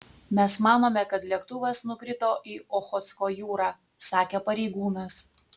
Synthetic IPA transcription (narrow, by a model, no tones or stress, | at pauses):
mʲɛsmɑːnoːmʲɛkɐt̪lʲiɛkt̪ʊʋɐsnʊkɾʲɪt̪oːʔiːɔxɔt̪skoːjuːɾɑː | sɑːkʲeːpɐɾʲɛɪɡuːnɐs